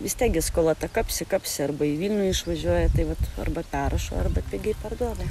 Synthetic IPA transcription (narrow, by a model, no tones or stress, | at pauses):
ʋʲɪst̪ʲiɛk̚ɡʲɪskoːlˠɐt̪ɐkɐpʲsʲɪkɐpʲsʲɪɐɾbɐiʋʲiːlʲnʲuːɪʃʋɐʒʲuɔjɛt̪ɐɪʋɐt̪ɐ̰rbɐpʲæːɾɐʃo̰ːɐrbɐpʲɪɡʲɛɪpɐrd̪uɔd̪ɐ